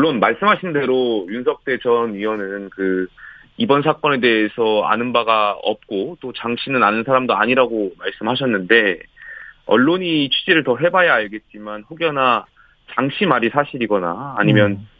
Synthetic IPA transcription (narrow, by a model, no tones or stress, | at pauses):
ɭːonmaɭs͈ɯmɦaɕʰinde̞ɾojunsʰʌk̚t͈e̞t͡ɕʌnɥiwʌnɯnkɯ | ibʌns̬ʰak͈ʌne̞de̞ːsʰʌa̰nɯnbaɡaʌ̰p̚k͈ot͈ot͡ɕaŋɕʰinɯnanɯnsʰaɾamdoa̰ɲiɾaɡomaɭs͈ɯmɦaɕʰʌnːɯnde̞ | ʌ̰ɭːoɲiːt͡ɕʰɥid͡ʑiɾɯɭtʌɦe̞bajaaɭɡe̞t̚t͡ɕ͈imanɸoɡjʌna | t͡ɕaŋɕʰimaɾisʰaɕʰiɾiɡʌna̰ːɲimjʌn